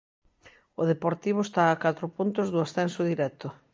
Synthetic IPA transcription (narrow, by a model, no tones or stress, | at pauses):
ʊðepoɾt̪iβ̞ʊest̪aːkat̪ɾʊpunt̪ʊzðʊasθɛnsoð̞iɾɛt̪ʊ